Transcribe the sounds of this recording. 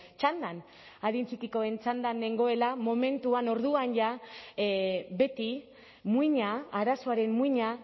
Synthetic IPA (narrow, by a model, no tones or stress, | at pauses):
t͡ʃand̪an | aðint͡sikiko̞e̞nt͡ʃand̪anːe̞ŋɡo̞e̞lamo̞me̞nt̪uano̞ɾðuanʝa | βe̞t̪i | muiɲaːɾasoaɾe̞mmuiɲa